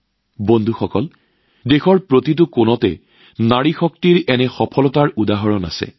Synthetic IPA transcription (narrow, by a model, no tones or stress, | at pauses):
bondʱuxɔkɔl | dexɔɹpɹotit̬ʊkʊnɔtɛ̰ | naɹixɔk̚tiɹɛnɛxɔpʰɔlɔtaɹudaɦɔɹɔna̰sɛ̰